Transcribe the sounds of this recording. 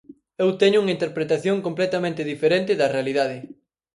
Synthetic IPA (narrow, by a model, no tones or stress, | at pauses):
ewt̪eɲʊuŋɐint̪eɾpɾet̪aθjoŋkomplet̪amẽnt̪ɪðifeɾent̪ɪðɐrealiðaðɪ